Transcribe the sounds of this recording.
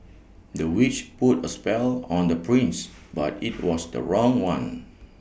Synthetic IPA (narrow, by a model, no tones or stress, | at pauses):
dəwit͡ʃputəspɛlɔ̃ndəpʰɹĩns | ba̰tit̚wɔsdə̰ɹɔ̃ŋwãn